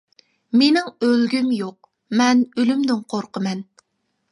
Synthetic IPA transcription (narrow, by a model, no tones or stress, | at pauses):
menɪŋølɡʲymjoq̚ | mɛnølymd̪ɪŋqʰoɾqʰəmɛn